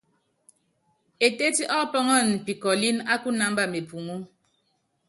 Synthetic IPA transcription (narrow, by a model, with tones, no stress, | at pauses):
e˨te˦ti˦ʔɔ˦pɔ˦ŋɔ˦˨n̩˨pi˨kɔ˨li˦na˦ku˦na˨m̩˦ba˦˨me˨pu˨ŋu˦